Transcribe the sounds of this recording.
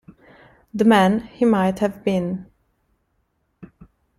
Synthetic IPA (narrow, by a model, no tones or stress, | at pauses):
ðəmæ̃nhimaɪthævbɪ̃n